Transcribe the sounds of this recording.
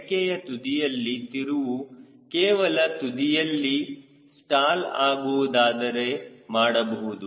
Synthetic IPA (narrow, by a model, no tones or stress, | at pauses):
kɛjɐt̪ud̪ijɐlːit̪iɾuʋu | kɛːʋɐlɐt̪ud̪ijɐlːi | sʈaːlaːɡuʋud̪aːd̪ɐɾe̞maːɽɐbɐɦud̪u